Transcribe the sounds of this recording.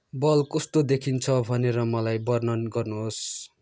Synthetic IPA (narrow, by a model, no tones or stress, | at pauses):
bʌlkʌst̪od̪ekʰint͡sʰʌbʱʌneɾʌmʌlajbʌrnʌnɡʌrnuɦos